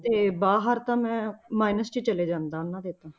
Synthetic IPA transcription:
t̪eːbaːɦəɾt̪ãːmɛ̃ːmaːɪnəst͡ʃiːt͡ʃəleːd͡ʒãːnd̪aːnãːd̪eːt̪ãː

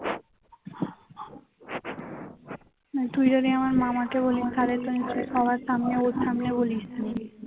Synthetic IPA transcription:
et̪ujɾoɾiamaɾmamakebolinkʰaɾet̪onisʰisɔβaɾsamneoʃamneboliʃt̪ʰen

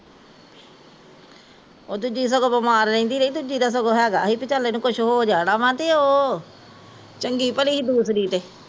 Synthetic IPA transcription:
oːd̪ʊd͡ʒiːs̬əɡoːbəmaːɾlẽiːnd̪iːɾeid̪ʊd͡ʒiːd̪aːs̬əɡoːɦɛːɡaːɦiːpɪt͡ʃəleːnũːkʊʃʰɦoːd͡ʒaːɽaːʋãːt̪eːoː | t͡ʃəŋɡiːpəliːid̪uːsɾiːt̪eː

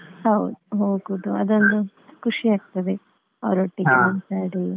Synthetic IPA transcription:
hɐwd̪uɦoːɡud̪uɐd̪ond̪u | kuʂiaːɡ̚t̪ɐd̪e | ɐʋɾuʈːikmɐnt̪aːɽi

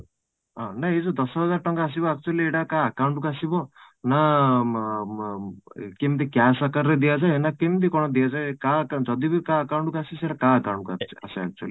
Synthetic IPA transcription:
ɔ̃naezɔd̪ɔsɦɔd͡zaɾʈɔŋkaːs̬ibɔak̚t͡ʃualieʈakaːkawɳʈukuasibɔ | na | kemd̪ikjasakaɾːed̪ijazajnakemd̪̬ikɔɽ̃ɔd̪ijad͡zajkãkd͡ʒɔd̪ibikaːkawɳʈukasiseʈakãɐkaw̃ɳʈ̚kua̰kt͡ʃʰa̰saa̰k̚t͡ʃuə̰li

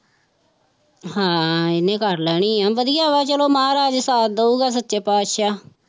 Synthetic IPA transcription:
ɦãːɪnẽːkəɾlɛːɽ̃iːãːʋəd̪ɪjaːʋaːt͡ʃəloːmaːɾaːd͡ʒsaːt̪̚d̪əuːɡaːs̬ətːʃeːpaːt̪ʃaː

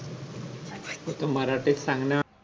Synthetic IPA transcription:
ut̪omaɾaʈit̪saŋna

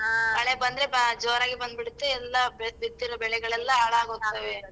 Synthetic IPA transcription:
kɐɭebɐnd̪ɾed͡ʒoːɾaːɡibɐnd̪̚biɽut̪ːeɛlːɐbbid̪ːiɾɐbɛɭɛɡɐɭɛlːɐaːɭaːɡoɡt̪ːɐʋe

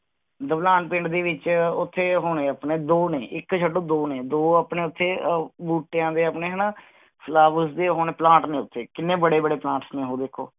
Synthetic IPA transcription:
d̪əʋlãːɳpɪ̃ːɳʈd̪iːʋɪt͡ʃʊt̪ʰːeːɦoːɳẽːəpneːd̪oːneːʔɪkt͡ʃʰəɖːõːd̪oːneːd̪oːəpɳeːʊt̪ʰːeːbuːʈːejãːd̪eːəpneːɦɛnaː | pʰlaːbəsd̪eːɦoːneːplãːʈnẽːʊt̪ʰːeːkɪnːeːbəɽeːbəɽeːplãːʈsnẽːɦoːd̪ekʰːo̰ː

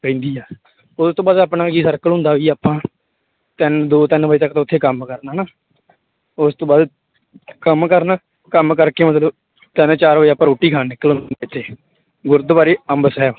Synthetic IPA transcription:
pə̃ĩnd̪iːaː | ʊst̪õːbaːd̪aːpnaːɡiːsəɾkəlɦʊ̃nd̪aːʋiːaːpãː | t̪ɪnd̪oːt̪ɪnʋəiːt̪əkːt̪õːʊt̪ʰːeːkəmkəɾnaːnaː | ʊst̪õːbaːd̪ | kəmkəɾnaː | kəmkəɾkeːmət̪ləb | t̪ɪnt͡ʃaːɾʋəːaːpːãːɾoːʈːiːkʰaːnɪkːəlɦʊ̃ɪt̪ʰːeː | ɡʊɾd̪baːɾeːəmbsɛː

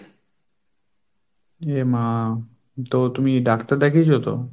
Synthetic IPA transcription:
ema | t̪ot̪umiɖakt̪aɾd̪ɛkʰit͡ɕʰot̪o̰

